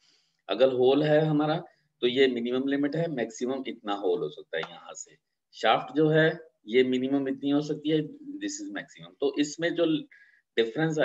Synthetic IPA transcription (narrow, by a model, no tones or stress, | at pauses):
ɐ̰ɡəɾɦoːlɦɛɦɐmaːɾa | t̪ojemɪnɪməmlɪmɪʈɦɛmɛːksɪməmɪt̪naɦoːlɦo̰ːsɐk̚t̪a̰ɦɛ̰jɐ̰ɦã̰se | ʃaːfʈd͡ʒoːɦɛ | jemɪnɪmə̃mɪt̪niɦos̬ɐk̚t̪iɦɛd̪ɪsɪzmɛːksɪmə̃mt̪oʔɪsmẽd͡ʒoː | ɖɪfɾə̃ns̬a